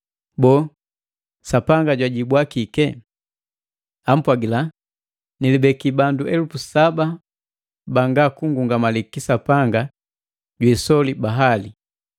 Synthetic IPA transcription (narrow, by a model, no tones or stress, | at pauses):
bɔː | sapaŋɡaɟwaɟibwakikɛ | am̩pwaɡila | nilibɛkibanduʔɛlufusaba | baŋɡakuŋɡuŋɡamalikisapaŋɡa | ɟwɛsɔlibaɦali